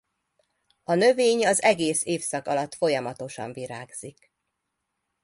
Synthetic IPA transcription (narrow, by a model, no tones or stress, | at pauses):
ɒnø̞veːɲɒzɛɡeːseːfsɒkɒlɒt̪fo̞jɒmɒt̪o̞ʃɒ̰ɱviɾaːɡz̥ik